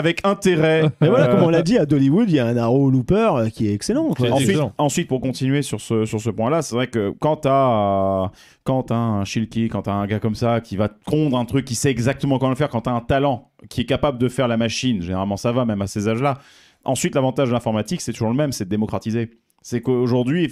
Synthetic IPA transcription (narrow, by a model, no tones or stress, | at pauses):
avɛkʰɛ̃t̪eʁɛmɛvwalakɔmɔ̃lad̪iad̪ɔliwud̪ilaɛ̃naʁolupœʁøkʲiɛt̪ɛkselɑ̃kwaɑ̃sɥit̪ɑ̃sɥit̪̚puʁkɔ̃t̪inɥesyʁsəsyʁsəpwɛ̃lasɛvʁɛkəkɑ̃t̪a | kɑ̃t̪ɛ̃ɛ̃ʃilkʲikɑ̃t̪aɛ̃ɡakɔmsakʲivakɔ̃d̪ʁɛ̃t̪χykʲːisɛːɡzak̚t̪əmɑ̃kɔmɑ̃ləfɛʁkɑ̃t̪yaɛ̃t̪alɑ̃ | kʲiɛkapabləd̪əfɛʁlamaʃinʒeneʁalmɑ̃savamɛmasezaʒla | ɑ̃sɥit̪lavɑ̃t̪aʒd̪lɛ̃fɔʁmat̪iksɛt̪uʒuʁləmɛmsɛd̪emɔkχat̪ize | sɛkəoʒuʁd̪ɥi